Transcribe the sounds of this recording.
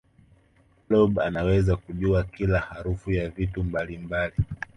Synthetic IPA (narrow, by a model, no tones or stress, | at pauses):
klɔbanawɛzakuʄuakilahaɾufujavitumbalimbali